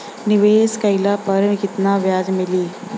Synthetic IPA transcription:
niʋeːskailapəɾmikɪt̪naʋjaːd̪miliː

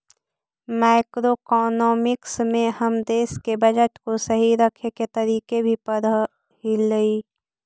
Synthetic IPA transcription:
maːɪkɾokɔːnɔːmɪksmẽhəmd̪eːskebɐd͡ʒəʈkosɐɦiɾəkʰeket̪ɐɾiːkebʱipəɾ | hiləiː

